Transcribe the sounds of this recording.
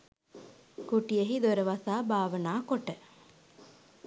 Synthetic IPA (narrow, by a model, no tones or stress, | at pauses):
kuʈijeɦid̪oɾəʋasaːbaːʋənaːkoʈə